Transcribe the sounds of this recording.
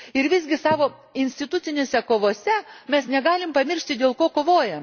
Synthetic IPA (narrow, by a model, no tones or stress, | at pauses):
ɪɾʋʲɪzʲɡʲɪsɑːʋoː | ɪnʲsʲt̪ʲɪt̪ʊɪnʲeːsʲɛkoːʋoːsʲɛmʲɛsnʲɛɡɑːlʲɪmpɐmʲɪɾʲʃʲt̪ʲɪd̪ʲeːlˠkoːkoːʋoːjɛm